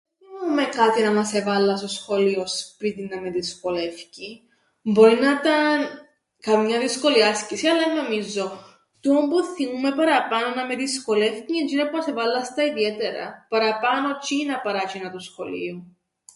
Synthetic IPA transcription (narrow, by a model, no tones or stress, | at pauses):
eivoɾume̞kɐt̪inɐmɐsevɐlːɐsosxo̞liospit̪inɐme̞ðisko̞le̞fci | mbo̞ɾinɐt̪ɐn | kɐmɲɐðisko̞liɐscisiɐlɐnomizo̞ | t̪uombuθimume̞pɐɾɐpɐno̞nɐme̞ðisko̞le̞fciend͡ʒinɐpumɐsevɐlːɐst̪ɐiðie̞t̪eɾɐ̰pɐɾɐpɐno̞t͡ʃinɐpɐɾɐt͡ʃinɐt̪osxo̞̰lḭo